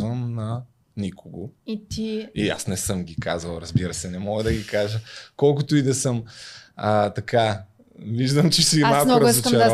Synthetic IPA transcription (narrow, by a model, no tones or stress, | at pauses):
vɐmnɐ | nikʊɡoit̪iia̰snɛsɤmɡʲika̰zvɐlˠɾɐzbiɾəsɛnɛmɔɡəd̪ɐɡʲikaʒəkɔlˠkʊt̪ʊid̪ɐsɤmət̪ɐka | viʒd̪ɐmt͡ʃɛsimalˠkmnoɾɐzot͡ʃɛ